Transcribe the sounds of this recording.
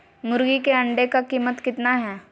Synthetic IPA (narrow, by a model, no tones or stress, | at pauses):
mʊɾɡikeɐɳɖekakiːmət̪kɪt̪naɦɛː